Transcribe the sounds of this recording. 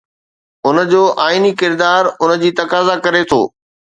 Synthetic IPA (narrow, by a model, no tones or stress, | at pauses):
ʊnəd͡ʑoːʔaːinikɪɾd̪aːɾʊnəd͡ʑiːt̪ɐkaːzakɐɾet̪ʰo̰ː